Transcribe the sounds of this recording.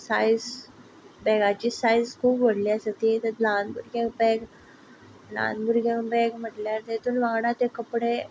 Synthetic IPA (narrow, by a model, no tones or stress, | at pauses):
sajz | bɛɡat͡ɕiːsajzkʰuːpʋəɽliːəsət̪it̪əlanbṵɾɡãkbɛɡ | na̰nbuɾɡaŋbɛɡm̤əʈljaɾt̪et̪uːnʋãŋɡɽat̪ekəpɽe